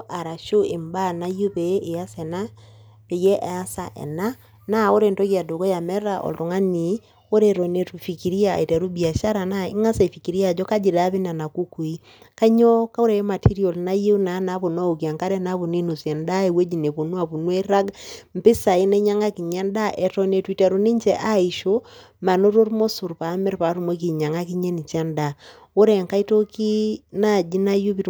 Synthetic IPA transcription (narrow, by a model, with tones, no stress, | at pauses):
ʔa˨ɾa˨ʃo˦e˨mba˦˨na˦jo˦pe˨e˦ʔe˨a˦sɛ˨na˦ | pe˨jɛ˦ʔa˨a˦sa˨ʔɛ̰˨na˦ | na˦˨o˦ɾe˨nto˦kja˨do˨ko˦ja˨mɛ˦ɾa˦˨ʔo̰˨lto˨ŋa˦ni˨˦ | o˦ɾe˨ɾo˨ne˦tu˨fi˨ki˨ɾi˦a̰˨i˨te˨ɾu˦bi˨a˨ʃa˦ɾa˨na˦ḭ˦ŋa˦sa˨fi˨ki˨ɾi˦a˦˨d͡ʒɔ˦ka˦d͡ʒi˨da˦βi˦na˨na˨ku˦ku˨i˦ | ka˦ɲo˦ka˦o˦ɾe˨˦ma˨tʰi˦ɾi˦o˨lna˦je˦na˨˦na˨˦βo˨na˦o˨ki˨a˨ŋka˦ɾɛ˦na˦βo˨ni˦nu˨sje˨nda˦e˨we˦d͡ʒi˨ne˨po˨nwa˨pu˨nwe˦ɾa˦ɡm̩˨pɪ˦sa˨i˦ne˦ɲa˦ŋa˦ki˨ɲa˦nda˦ʔe˨tɔ˨ne˨twi˨te˨ɾu˨ni˦ɲt͡ʃe˨ʔa˦i˨ʃo˦ | ma˨no˦ɾo˦ɾmo˦su˨ɾpa˨˦me˦ɾpa˨˦ɾu˦˨mo˦k̬i˨ɲa˨ŋa˦ki˦ɲe˦ni˨t͡ʃa˦nda˨ | o˦ɾe˨ŋka˦i˦to˦ki˦na˦˨d͡ʒi˦na˦ju˦βi˨t